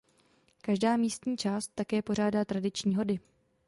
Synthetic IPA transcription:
kaʒdaːmiːst̪ɲiːt͡ʃaːst̪ːakɛːpo̞r̝aːdaːt̪ɾadɪt͡ʃɲiːɦo̞dɪ

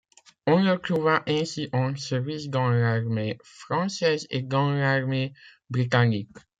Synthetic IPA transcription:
ɔ̃lət̪χuvaʔɛ̃siʔɑ̃səvisɡɑ̃zaʁmefχɑ̃sɛzeɡɑ̃zaʁme | bʁit̪anik

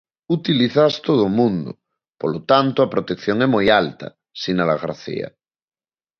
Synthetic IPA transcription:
ut̪iliθast̪oð̞omũnd̪o̰ | polot̪ant̪oapɾot̪ekθjoŋɛmojalt̪a̰ | sinalaɣɾa̰θḭa̰

